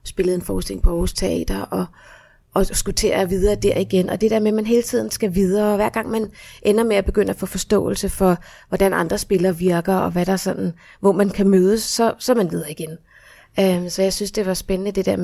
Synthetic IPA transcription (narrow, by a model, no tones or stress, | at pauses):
sb̥e̝lð̩ˠe̝nfɒːsd̥elḛŋpʰɒhost͡sʰeɐɛ̰ːd̥ɐʔɒ̽ | ɒsɡ̥ut͡sʰe̝̰ːɐʋiðˠɐːd̥æɐ̰iɡ̥enʔɒ̽d̥e̝d̥eɐ̰memænɦe̝ːlət͡sʰið̰ˠn̩sɡ̥æʋið̞ˠɐːʋæɐ̰ɡ̥ɑ̈ŋ̰mænʔenɐmeæb̥e̝ɡ̥øn̰ɐæfɔ̰̽fɒ̽sd̥ɔ̰̽ːl̩səfɒ̽ | ʋɒd̥ænʔɑ̈nd̥ʁɐsb̥e̝lɐːʋiɐɡ̥ɐɒ̽ʋæɾ̥ɑ̈sɒ̽nn̩ | ʋɒmænkʰæmøːðˠəsːɒ̽sɒ̽mænʋið̞ˠɐːiɡ̥en | ømsɒ̽jɑ̈ɪsynsd̥e̝ʋɑ̈sb̥ennəd̥e̝d̥æɐ̰m